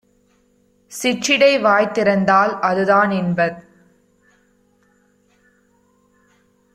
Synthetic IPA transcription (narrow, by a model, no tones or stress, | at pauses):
sɪt͡ʃːɪɽɐɪʋaːjt̪ːɪɾɐnd̪aːlʔɐðɯðaːnɪnbɐð